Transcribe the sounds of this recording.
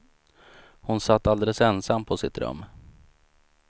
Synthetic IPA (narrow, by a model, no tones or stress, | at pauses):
hʊnsat̪ːald̪ɛləsɛnsamːpʰɔsɪt̪ɾɵ̰mː